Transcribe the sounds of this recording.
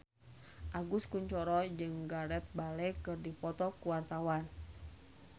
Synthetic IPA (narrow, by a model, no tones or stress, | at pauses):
ʔaɡuskuɲt͡ʃɔɾɔd͡ʒɨŋɡaɾɛt̪̚balɛkɨrdipɔt̪ɔkuwart̪awan